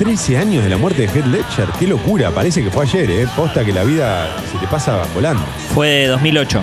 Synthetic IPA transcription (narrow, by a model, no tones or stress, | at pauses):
t̪ɾeseaɲjoɦð̞elamwɛɾt̪e̞ðexed̪let͡ʃeɾkelo̞kuɾapaɾes̬ekefwe̞aʃeɾepost̪akelaβiða | set̪epasaβoland̪ofweðeðozmilo̞t͡ʃo